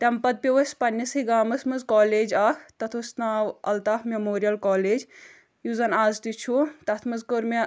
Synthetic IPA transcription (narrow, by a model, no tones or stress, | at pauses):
t̪ɐmpɐd̪̚piʋɐsʲpɐnʲːɐsiɡaːmɐsmɐzkɔːleːd͡ʒaːkʰt̪ɐt̪ʰusnaːwɐlt̪aːhmemoːɾijɐlkɔːleːd͡ʒ | juzɐnaːzt̪it͡ʃʰut̪ɐt̪ʰmɐzkoɾme